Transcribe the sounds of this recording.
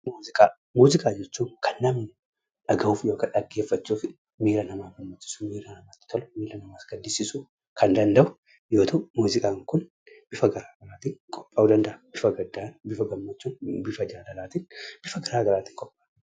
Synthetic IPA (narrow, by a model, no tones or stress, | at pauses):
muːzɪkʼaː | muːzɪkʼaːd͡ʒɛt͡ʃːuːnkʰɐnːɐmn | ᶑɐɡɐuːfjoːkɐᶑɐɡːe̞ːfːɐt͡ʃːuːfɪ | miːɾɐnɐmaːɡɐmːɐt͡ʃːɪ̥sumiːɾɐnɐmaːt̪ːɪ̥t̪ʰɔlmiːɾɐnɐmaːsɡɐnd̪ɪsɪsu | kɐnd̪ɐnd̪ɐʔʊ | joːt̪ʰɐmuːzɪkʼaːŋkʊn | b̥ɪfɐɡɐɾaːɡɐɾaːt̪iːŋkʼɔ̥pʼːaːʊd̪ɐnd̪ɐʔɐb̥ɪfɐɡɐd̪ːaːnbɪfɐɡɐmːɐt͡ʃːuːnbɪfɐd͡ʒaːlɐlaːt̪inb̥ɪfɐɡɐɾaːɡɐɾaːt̪ɪ̥ːŋkʼɔpʼːaː